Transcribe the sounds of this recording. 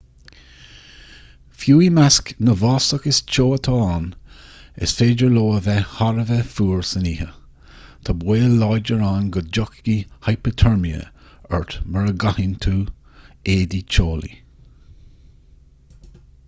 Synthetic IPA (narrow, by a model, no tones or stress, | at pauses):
fjuːimasknəvɑːsəkɪst͡ʃoːət̪ʰɑːan | ɪ̰sfeːd͡ʒəɹloːəvɛhaɾəvɛfuːɹsəniːhə | t̪ʰabweːlɑjd͡ʒəɹanɡəd͡ʒɔkɡihajpət̪ʰɔɹmiə̰əɹt̪məɹəɡahint̪ʰuːeːd̪it͡ʃʰoːlḭ